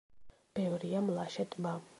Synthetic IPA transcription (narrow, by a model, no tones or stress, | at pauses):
b̥ɛvɾiamlˠaʃɛt̪ʼma